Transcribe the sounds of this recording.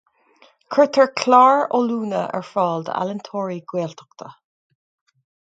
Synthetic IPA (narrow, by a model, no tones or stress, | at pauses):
kʰɹɪt̪ʰəɹkʰlaːɹoːluːnəʔɛ̰ɹfɔːld̪a̰lɪnt̪ʰoːɹiɡweːlt̪ʰɔ̥kt̪ʰə